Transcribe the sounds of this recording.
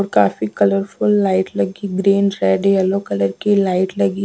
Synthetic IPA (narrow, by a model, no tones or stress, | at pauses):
ɔːɾkaːfikɐləɾfʊlːaːɪʈlɐɡiɡɾeːnɾɛːɖeɛlokɐləɾkilaːɪʈlɐɡi